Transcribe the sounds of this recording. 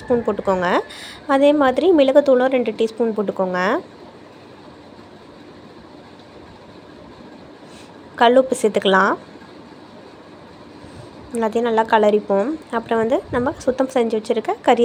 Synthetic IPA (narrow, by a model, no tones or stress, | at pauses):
spuːnpoːʈːɯkːoːŋɡɐɐðeːmaːðɪɾimɪlɐɣɐt̪ːuːɭõːɾɛɳɖɯʈːiːspuːnpoːʈːɯkːoːŋɡɐ | kɐɭːupɪsɪt̪ːɯkːɐɭãː | nːaðɪjɐ̃nɐlːaːkɐlɐɾɪpːõːɐpːɯɾɔ̃ʋɐnd̪ɯnɐmːɐsʊt̪ːɐmsɛɲd͡ʒɯʋɐt͡ʃːɪɾɯkːɐkɐɾɪj